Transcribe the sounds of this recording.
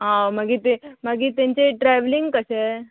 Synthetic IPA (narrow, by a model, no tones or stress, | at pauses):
ɦãmaɡit̪emaɡit̪ẽɲt͡ɕeʈɾɛʋliŋɡkəse